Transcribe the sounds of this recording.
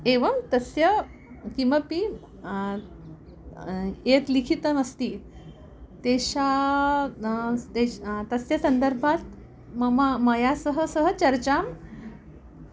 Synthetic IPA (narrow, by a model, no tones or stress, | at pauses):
eʋəmt̪əsjə | kiʋəpi | et̪likʰit̪əməst̪iː | t̪eɕa | et̪əsjəsənd̪əɾbʱat̪ | mməjasəɦəsəɦət͡ɕəɾt͡ɕam